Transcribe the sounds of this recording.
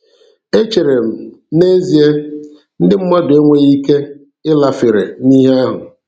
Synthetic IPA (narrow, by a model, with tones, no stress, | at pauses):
e˦t͡ʃe˨ɾe˨m̩˨ne˦zi˨e˦ | n̩˦dɪ˦m̩˦ma˦dʊ˨e˦ŋʷe˦ɣi˦ke˦ | ɪ˦la˨fɪ˨ɾḛ˨ni˦ɦe˦a˦ɦʊ˨